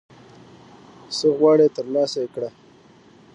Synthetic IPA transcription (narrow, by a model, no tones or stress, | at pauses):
səɣwɑɽet̪əɾlɑsaekɽa